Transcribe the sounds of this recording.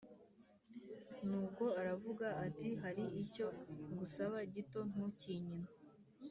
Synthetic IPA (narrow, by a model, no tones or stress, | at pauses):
nuːko̞aɾavuɡaːtiɦaɾiico̞ɡusaβaɟito̞n̥uciɲima